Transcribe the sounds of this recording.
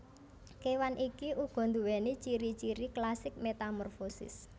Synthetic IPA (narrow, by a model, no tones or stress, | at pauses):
kewanʔikiʔuɡ̥ɔ̤nd̪uwɛnit͡ʃiɾit͡ʃiɾiklasɪk̚met̪amɔrfosɪ̰s